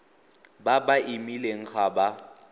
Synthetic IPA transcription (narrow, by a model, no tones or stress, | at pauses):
babaʔimileŋ̩χʰaba